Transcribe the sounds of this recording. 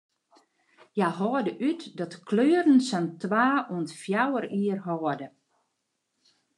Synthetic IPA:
jaɦɔːdəʔytdɔtkʰløːəɾən̩santʋaːuəntfjawəɾiərɦɔːdə

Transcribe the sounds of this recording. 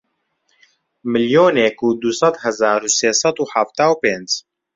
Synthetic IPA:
mɨljoːneːkuːd̪usɑd̪hɛzaːɾuːseːsɑd̪uːħaft̪aːwpeːnd͡ʒ

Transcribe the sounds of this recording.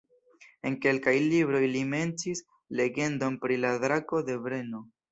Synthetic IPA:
e̞ŋke̞lkajlibɾo̞jlime̞ntis | le̞ɡe̞ndo̞npɾiladɾako̞de̞bɾe̞no̞

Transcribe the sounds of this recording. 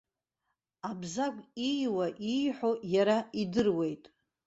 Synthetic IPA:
abzakʷʼijwaʔijħʷojaɾaidɨrwe̞jtʼ

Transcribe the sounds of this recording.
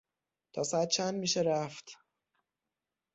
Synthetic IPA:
t̪ʰɒːsæd̪̚t͡ʃʰænd̪miːʃeɾæft̪

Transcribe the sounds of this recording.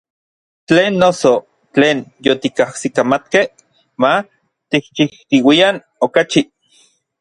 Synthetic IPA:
t͡ɬeːnːoso | t͡ɬeːnjot̪ikahsikamat̪keh | ma | t̪ih̚t͡ʃiht̪iwian | okat͡ʃi

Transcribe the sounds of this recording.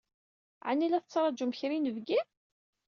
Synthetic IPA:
ʕanːilæθət͡sːɾˤɑd͡ʒuməçɾinəvɡi

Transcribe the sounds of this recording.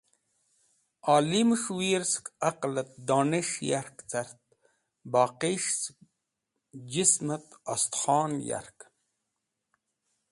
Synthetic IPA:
aːlimʃwiːɾskɐqlɐt̪̚d̪oːneʃjaɾkt͡sɐɾt̪̚ | baːqiʃs | d͡ʒismɐt̪ɐst̪χɑːnja̰ɾk

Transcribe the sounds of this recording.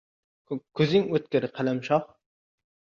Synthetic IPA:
kʲʰøzɪŋøt̪̚kʲɪɾɪqʰælɛmʃɑχ

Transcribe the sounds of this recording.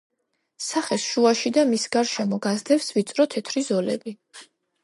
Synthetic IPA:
saχɛsʃuaʃid̪amisɡaɾʃɛmɔɡazd̪ɛpsvit̪sʼɾɔt̪ʰɛt̪ʰɾizɔlɛbi

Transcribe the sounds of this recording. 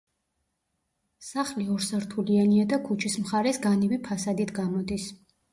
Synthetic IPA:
saχliɔɾsaɾt̪ʰulianiad̪akʰut͡ʃʰismχaɾɛsɡanibipʰasad̪it̪ʰɡamɔd̪is

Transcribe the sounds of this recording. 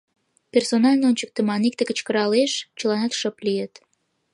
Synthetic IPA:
pʲersonɑlʲnoonʲt͡ɕək̚t̪ĕmɑnik̚t̪ekə̆t͡ɕkə̆ɾɑleʃt͡ɕəlɑnɑt̪ʃəplijet̪

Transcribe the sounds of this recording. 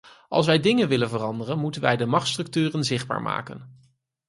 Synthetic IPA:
ʔɑ̰lˠsʋɛjdɪŋənʋɪlənvərɑndərənmutənʋɛ̰jdəmɑχtstrɵk̚tyːrənzɪχd̚ba̰ːɹma̰ːkən

